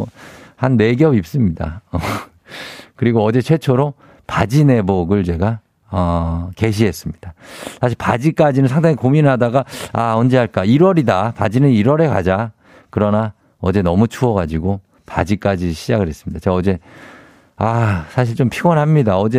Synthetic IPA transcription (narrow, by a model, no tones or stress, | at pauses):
hanːe̞ɡjʌbip̚s͈ɯmɲida̰ʌ | kɯɾiɡoʌd͡ʑe̞t͡ɕʰwe̞t͡ɕʰoɾo | pad͡ʑine̞boɡɯɭt͡ɕe̞ɡa | ʌke̞ɕ̬ʰiɦe̞s͈ɯmɲid̥asʰaɕ̬ʰiɭpad͡ʑik͈ad͡ʑinɯnsʰaŋdaŋikominɯɭɦadaɡaaʌnd͡ʑeɦaɭk͈aiɾʌɾidapad͡ʑinɯniɾʌɾe̞ka̰d͡ʑa | kɯɾʌna | ʌd͡ʑe̞nʌmut͡ɕʰuʌɡad͡ʑiɡo | pad͡ʑik͈ad͡ʑiɕʰid͡ʑaɡɯɭɦe̞s͈ɯmɲid̥at͡ɕeɡaʌd͡ʑe̞ | asʰaɕ̬ʰiɭt͡ɕompʰiɡwʌnɦamɲidaʌd͡ʑe̞